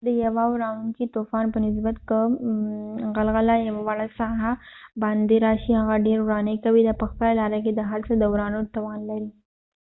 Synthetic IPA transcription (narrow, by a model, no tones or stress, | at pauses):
d̪əjɐʋaɾaːuŋkit̪oːfaːnpənɪs̬bət̪kə | ɣɐlɣɐlajɐʋaʋaɭasaːɦabaːnd̪eɾaːʃiɦɐɣaɖeːɾuɾaːnekɐʋid̪apɐxp̪əɾalaːɾaked̪əɦɐɾt͡səd̪ɐwɾaːnot̪ɐʋaːnlɐɾi